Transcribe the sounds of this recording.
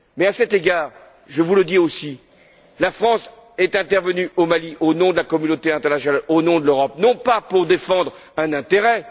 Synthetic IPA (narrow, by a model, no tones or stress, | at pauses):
mɛasɛt̪eɡaːʁ | ʒəvuləd̪iosi | lafχɑ̃s | ɛt̪ɛ̃t̪ɛʁvənyʔomaliʔonɔ̃d̪əlakɔmynot̪eɛ̃t̪ɛʁnasjɔnalonɔ̃d̪əløʁɔp̚nɔ̃papuʁd̪efɑ̃d̪ʁɛ̃nɛ̃t̪eʁɛ